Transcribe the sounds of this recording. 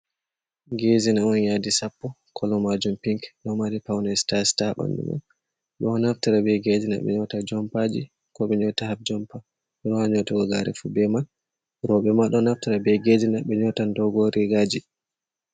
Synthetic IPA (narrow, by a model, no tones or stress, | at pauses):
ɡezinaɔnjadisapːɔ | kʰɔlɔmad͡ʒumpiŋkɗɔmaɾipawnastastaɓa̰ndṵma̰n | ɗɔnaftiɾabɛɡezina̰ɓɛ̰ɲɔtad͡ʒɔmpad͡ʒi | kɔɓɛɲɔtahaf̚d͡ʒɔmpa | ɛɗɔhaɲɔtaɡɔɡa̰ɾɛ̰fubɛman | ɾɔɓɛmaɗɔnaftiɾabɛɡezinaɓɛɲɔtandɔɡɔɾiɡad͡ʒi